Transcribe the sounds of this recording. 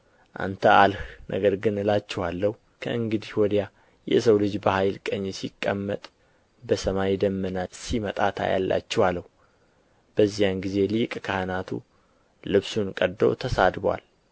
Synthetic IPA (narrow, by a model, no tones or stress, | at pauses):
ʔa̰nt̪ʰəʔalhnʔə̰ɡəɾɡɨnɨlat͡ʃːɛhwalːəhu | kʰəʔɨŋɡɨd̪ihwɔd̪ja | jɛ̰səwlɨd͡ʒbəhajlkʼəɲːsikʼːəmːət̪ʼ | bəsəmajid̪əmːənasimət̪ʼat̪ʰa̰ja̰lːa̰t͡ʃːɛwalːəhu | b̥əzːijanɡize̞likʼkʰahɨnat̪ʰṵ | lɨβsunkʼəd̪ːo̰t̪ʰəsad̪bwa̰l